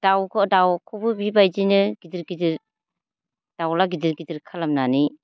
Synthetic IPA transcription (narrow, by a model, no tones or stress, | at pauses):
d̥awkʰɔdawkʰɔbɯbibajd͡ʒinɯɡidiɾɡidiɾ | d̥awlaɡidiɾɡidiɾkʰalamnani